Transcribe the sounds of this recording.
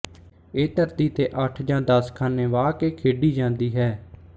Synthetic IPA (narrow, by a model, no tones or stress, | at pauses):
eːt̪əɾd̪iːt̪eːʔəʈʰd͡ʒãːd̪əskʰaːneːʋaːkeːkʰeːɖiːd͡ʒãːnd̪iːɦɛː